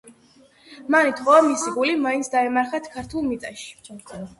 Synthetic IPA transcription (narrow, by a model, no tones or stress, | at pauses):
manit̪ʰχʼɔamisiɡulimaint̪sd̪aɛmaɾχat̪ʰkʰaɾt̪ʰulˠmit̪sʼaʃi̥